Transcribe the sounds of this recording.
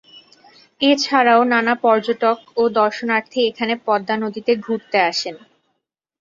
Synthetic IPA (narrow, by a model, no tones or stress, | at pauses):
et͡ɕʰaɾaonanapɔɾd͡ʑoʈokod̪ɔɾʃonaɾt̪ʰiekʰanepɔd̪ːanod̪it̪eɡʱuɾt̪eaʃen